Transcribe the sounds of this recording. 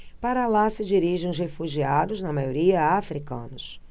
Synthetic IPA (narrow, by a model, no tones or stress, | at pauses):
paɾɐlasɪd͡ʒiɾiʒẽʊz̬hefuʒiad̪ʊznɐmajoɾiɐafɾikɐ̰̃nʊs